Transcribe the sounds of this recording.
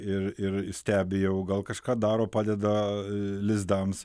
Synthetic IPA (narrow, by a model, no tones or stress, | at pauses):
ɪrɪrsʲt̪ʲæːbʲɪjɛʊɡɐlˠkɐʃkɑːd̪ɑːɾoːpɑːd̪ʲɛd̪ɐlʲɪzd̪ɐms